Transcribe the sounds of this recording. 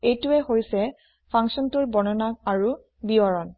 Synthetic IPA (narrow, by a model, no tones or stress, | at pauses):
ejtuɛhojsɛ | pʰãŋksɔntuɹbɔnɔnak̚aɹu | biɔɹɔn